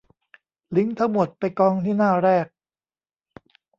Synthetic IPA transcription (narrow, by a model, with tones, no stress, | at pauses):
li˨˦˥ŋt̪ʰa˥˩ŋmo˨˩t̪̚pa˧jkɔː˧ŋt̪ʰiː˥˩naː˥˩ɾɛː˥˩k̚